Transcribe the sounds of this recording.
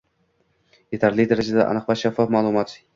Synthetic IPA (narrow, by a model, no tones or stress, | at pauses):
je̞t̪ʰaɾlɪd̪aɾad͡ʒad̪aʔa̰nɨqvaʃafːafmalˠʊmɒt̪